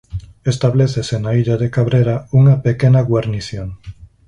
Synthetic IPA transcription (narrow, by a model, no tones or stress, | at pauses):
est̪aβleθesenaiʎaðekaβɾeɾauŋapekenaɣwaɾniθjoŋ